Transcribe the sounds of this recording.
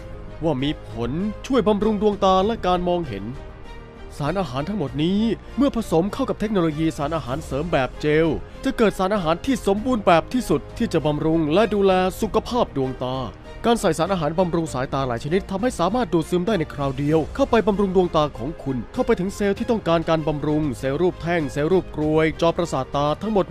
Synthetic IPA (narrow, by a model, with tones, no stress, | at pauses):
waː˥˩miː˧pʰo˨˩˦nt͡ɕʰu˥˩əjba˧mɾu˧ŋdu˧əŋt̪aː˧lɛ˦˥kaː˧nmɔː˧ŋɦḛ˩˦n | saː˩˦nʔaː˧ɦaː˩˦nt̪ʰa˥ŋmo˨˩t̪̚niː˦˥ | mɯ˥˩ɐpʰa˧so˩˦mkʰa˥˩wka˨˩t̪ʰe˦˥k̚noː˧loː˧jiː˧saː˩˦˥nʔaː˧ɦaː˩˦nsɤː˩˦mbɛː˨˩p̚t͡ɕeː˧wt͡ɕa˨˩kɤː˨˩t̪̚saː˩˦˥nʔaː˧ɦaː˩˦nt̪ʰiː˥˩so˩˦mbuː˧nbɛː˨˩p̚t̪ʰiː˥˩su˨˩t̪ʰːiː˥˩t͡ɕa˨˩ba˧mɾu˧ŋlɛ˦˥duː˧lɛː˧su˨˩kʰa˧pʰaː˥˩p̚du˧əŋt̪aː˧ | kaː˧nsa˨˩jsaː˩˦˥nʔaː˧ɦaː˩˦nba˧mɾu˧ŋsaː˩˦jt̪aː˧la̰ː˩˦jt͡ɕʰa˧ni˦˥t̪ʰːa˧mha˥˩jsaː˨˦maː˥˩t̪̚duː˨˩t̪̚sɯː˧mdaː˥˩jna˧jkʰɾaː˧wdi˧əwkʰa˥˩wpa˧jba˧mɾu˧ŋdu˧əŋt̪aː˧kʰɔː˩˦ŋkʰu˧nkʰa˥˩wpa˧jt̪ʰɯ˩˦ŋseː˧wt̪ʰiː˥˩t̪ɔ˥˩ŋkaː˧nkaː˧nba˧mɾu˧ŋseː˧wɾuː˥˩p̚t̪ʰɛ˥˩ŋseː˧wɾuː˥˩p̚kɾu˧əjt͡ɕɔː˧˩p̚ɾa˧saː˨˩t̪ːaː˧t̪ʰa˦˥ŋmo˨˩t̪̚